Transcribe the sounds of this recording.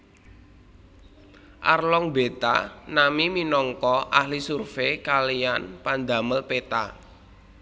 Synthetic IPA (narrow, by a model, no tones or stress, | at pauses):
ʔa̰rlɔŋbe̤t̪a̰namiminɔŋkɔʔahlisurfekalijanpand̪a̤məlpet̪a̰